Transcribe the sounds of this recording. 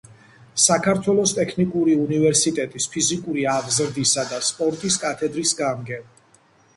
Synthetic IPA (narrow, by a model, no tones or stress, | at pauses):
sakʰaɾt̪ʰwɛlˠɔst̪ʼɛkʰnikʼuɾiunivɛɾsit̪ʼɛt̪ʼispʰizikʼuɾiaʁzɾd̪isad̪aspʼɔɾt̪ʼiskʼat̪ʰɛd̪ɾisɡamɡɛm